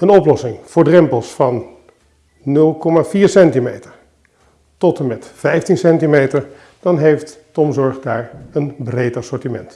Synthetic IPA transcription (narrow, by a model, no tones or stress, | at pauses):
ənɔplɔsɪŋv̥ʊːɹdrɛmpəlˠsfɑnː | ɵlˠkɔmaːviːɹsɛntimejtəɹ | tɔtəmɛtfɛjftinsɛntimejtəɹ | d̥ɑnɦejftː | ɔmzɔɹχdaːɹənbrejtɑsɔɹtimɛnt